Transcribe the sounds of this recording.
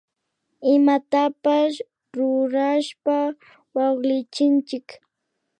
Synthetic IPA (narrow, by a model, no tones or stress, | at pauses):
ɪmat̪apas | ɾʊɾaʃpa | wɑχlɪt͡ʃɪnt͡ʃɪk